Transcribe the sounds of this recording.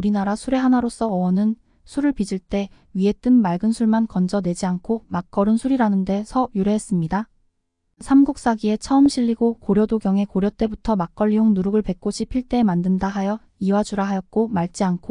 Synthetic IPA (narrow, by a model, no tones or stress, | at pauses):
uɾinaɾasʰuɾe̞ɦanaɾos͈ʌːwʌnɯn | sʰuɾɯɭpid͡ʑiɭt͈e̞ | ɥie̞t͈ɯnmaɭɡɯnsʰuɭmankʌnd͡ʑʌnwe̞d͡ʑiankʰomak͈ʌɾɯnsʰuɾiɾanɯnde̞sʰʌjuɾeɦes͈ɯmɲida | sʰamɡuk̚s͈aɡie̞t͡ɕʰʌɯmɕʰiʎːiɡokoɾjʌdoɡjʌŋe̞koɾjʌt͈e̞butʰʌmak͈ʌʎːioŋnuɾuɡɯɭpe̞k̚k͈oɕʰipʰiɭt͈e̞ːmandɯndaɦajʌ | iwad͡ʑuɾaɦajʌt̚k͈omaɭt͡ɕ͈iankʰo